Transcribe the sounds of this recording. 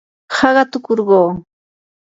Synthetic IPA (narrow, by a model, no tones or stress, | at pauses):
hɑɢɑt̪ʊkoɾɢoː